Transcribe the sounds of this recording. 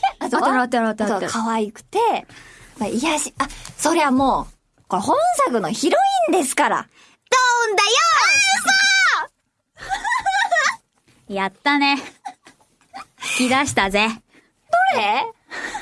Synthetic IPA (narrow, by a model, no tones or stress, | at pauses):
asoɾot̪ːɾot̪ːokaβaikɯ̟̥t̪e̞paijaɕi̥aso̞ɾe̞βamoː | koɾehõɰ̃sakɯ̟no̞çiɾo̞ĩnd̪e̞sɨ̥kaɾa̰ | d̪̥oːɯ̃nd̪ajosa | jat̪ːane̞ | i̥kʲid̪aɕi̥t̪aze̞ | d̪̥oɾe